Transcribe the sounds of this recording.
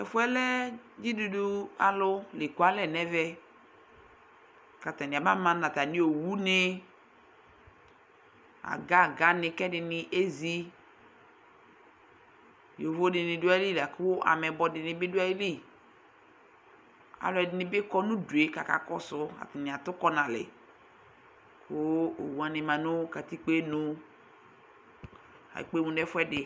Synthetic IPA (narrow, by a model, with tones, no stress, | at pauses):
ɛ˨fʊ˦ɛ˦lɛ˦d͡ʒi˦du˦du˦a̰˨lʊ˦lɪ˨ku˨˦a˦lɛ˨nɛ˦vɛ˦ | ka˨ta˨nɪ˨a˨ba˦mã˨na˨ta˨nɪ˦o˨wu˦nɪ˦ | a̰˨ɡa˦˨ɡa˨˦nɪ˨kɛ˦dɪ˨nɪ˨ʔe˦zi˦ | jo˨vo˦dɪ˨nɪ̃˨du˦a˦i˦li˦la˨kʊ˦ʔa̰˨mɛ˨bɔ˨dɪ˨nɪ̃˨bɪ˦dʊ˦a˦i˦li˦ | a̰˨lɛ˨dɪ˨nɪ̃˨bɪ˦kɔ˦nũ˦du˨e˨ka˨ka̰˨kɔ˦sʊ˦a̰˨tɪ˨nɪ̃˨a˨t̪ʊ˦kɔ˦nã˨lɪ̰˨ | kʰʊ˦o̰˨wu˨a˨nɪ̃˨mã˨nʊ̃˦ka˨t̪i˦k͡pe˦nʊ̃˦ | a̰˨k͡pe˦mũ˨dɛ˦fɛ˦dɪ˨